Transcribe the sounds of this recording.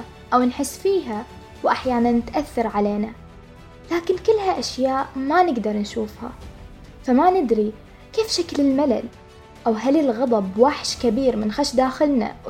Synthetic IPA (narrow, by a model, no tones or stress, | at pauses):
ʔawnħɪsːfiːɦa | wʔaħjaːnanːɪt̪ʔaθːɑɾˤʕaleːna | laːkɪnkɪlːhaʔaʃjaːʔmanɪɡd̪ɑɾˤnʃuːfha̰ | famanɪd̪ɾi | keːfʃaklɪlmalal | ʔawɦalɪlɣɑd̪ˤɑbwaħʃkabiːɾmɪnxaʃd̪aːxɪlna̰